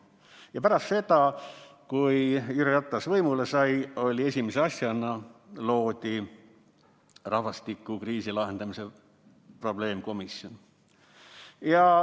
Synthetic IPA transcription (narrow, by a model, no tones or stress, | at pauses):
jɑpæɾɑst̪se̞d̪̥ɑkujyɾjɑt̪ˑːɑsvɤjmule̞sɑjo̞lʲie̞sʲimeseɑsjɑnɑlo̞ːd̪̥ʲi | rɑhvɑst̪ikːˑukriːsilɑɦe̞nd̪̥ɑmise̞ | pro̞ble̞ːmko̞misjo̞n | jɑ